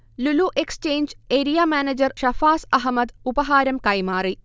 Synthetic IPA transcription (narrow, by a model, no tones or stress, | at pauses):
luluʔekst͡ɕeːnd͡ʑeːɾijaːmaːneːd͡ʑɐrʃɐfaːsɐɦmɐd̪ubɐɦaːɾɐmkɐjmaːri